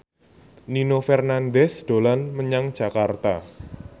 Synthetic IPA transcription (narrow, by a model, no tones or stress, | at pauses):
ninofɛrnand̪ɛsd̪̥olanməɲaŋd̥ʒ̥a̤kart̪a